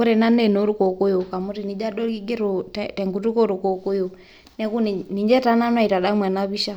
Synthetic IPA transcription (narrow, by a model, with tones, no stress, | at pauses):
ɔ˦ɾɛ˨na˦nɛ˨no˨˦ɾu˦kɔ˨ku˦jɔ˨ka˨mu˦ti˨ni˨˦d͡ʒa˦ɗɔ˦i˦ɡɛ˦ɾɔ˨tɛtɛ˨ŋɡu˨tu˦kɔ˦ɾu˨kɔ˨ku˦ju˨ | nɛ˦ku˦ni˨ni˨ɲd͡ʒɛ˦ta˦na˦nwa˦˨i˨ta˨ɗa˦mwɛ˨na˦βi˦ʃa˦